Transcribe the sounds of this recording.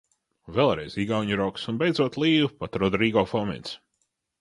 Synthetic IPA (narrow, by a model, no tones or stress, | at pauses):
vɛːlˠɾɛjziɡawɲuɾɔksunbejd̪zuɔt̪lˠiːvupat̪ɾɔd̪ɾiːɡɔfɔmʲɛ̰nt̪s